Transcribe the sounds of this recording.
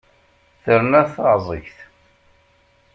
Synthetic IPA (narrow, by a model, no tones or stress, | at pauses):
θəɾnæθəzˤəçθ